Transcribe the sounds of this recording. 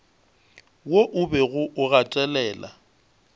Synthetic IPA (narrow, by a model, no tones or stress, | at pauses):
woʔʊbɛɣʊʔʊɣatʼɛlɛːla̰